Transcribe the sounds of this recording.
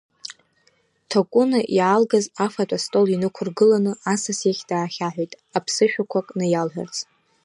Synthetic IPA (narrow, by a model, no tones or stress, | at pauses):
tʰakʷʼʊnaʔialɡazafatʷʼastʼo̞linɨkʷʰʊrɡɨlanɨasasjaχʲd̥aːχʲaħᶣʷejtʼapʰsɨʃᶣakʷʰakʼnɨjalħᶣa̰rt͡sʼ